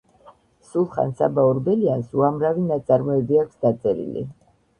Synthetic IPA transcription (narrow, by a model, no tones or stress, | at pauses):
sulˠχa̰nsa̰bauɾbɛliansuamɾavinat̪sʼaɾmɔɛbiakʷʰsd̪at̪sʼɛɾḭlḭ